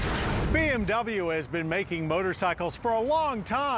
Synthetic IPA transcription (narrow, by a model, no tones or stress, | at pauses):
b̥iɛ̃mdʌbl̩ˠjʉɨzbɨ̃nmeɪkɪ̃ŋmoʊɾə˞saɪkl̩ˠz̥fə˞əlɔ̃ŋtʰã